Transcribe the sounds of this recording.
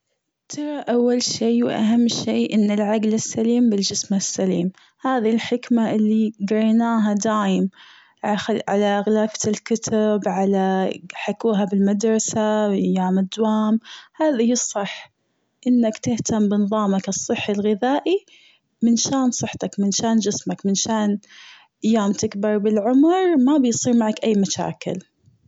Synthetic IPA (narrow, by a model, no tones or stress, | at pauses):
t̪ʰɑɾˤɑʔawːalʃeːwʔa̰ɦamːʃeːʔɪnːalʕaɡlasːaliːmbɪld͡ʒɪsmasːaliːm | haːðilħɪkmaʔɪlːiɡɾɑjnaːɦad̪aːjɪm | ʕaʕalaʔɣlaːfɪlkʊt̪ʰabʕalaħakuːɦabɪlmad̪ɾˤɑsaʔajaːmɪd̪ːwaːmhaːðihɨsˤːɨħː | ʔɪnːakt̪ɪht̪ambɪnɨðˤɑːmakɨsˤːɨħːalɣɪðaːʔi | mɪnʃaːnsˤɨħt̪akmɪnʃaːnd͡ʒɪsmakmɪnʃaːn | ʔajːaːmt̪ɪkbɑɾˤbɪlʕʊmɾˤmabɪjsˤiːɾmaʕakʔajːmaʃa̰ːkɪ̰l